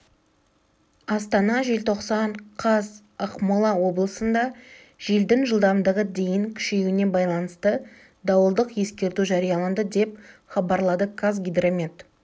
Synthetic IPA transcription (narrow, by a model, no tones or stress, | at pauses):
ɑst̪ɑnɑʒe̞lt̪ʰo̞qsɑɴqʰɑz | ɑqmɑlˠɑwo̞blˠəsənd̪ɑ | ʒ̥eld̪ɪŋʒəlˠd̪ɑmd̪əʁəd̪e̞jɪŋkʲʰʏ̥ʃejuɪne̞bɑjlˠɑnəst̪ə | d̪ɑwəlˠd̪əqje̞skʲe̞ɾt̪uʒɑɾijɑlˠɑnd̪əd̪e̞pχɑbɑɾlˠɑd̪əkʰazɡʲid̪ɾomʲet̪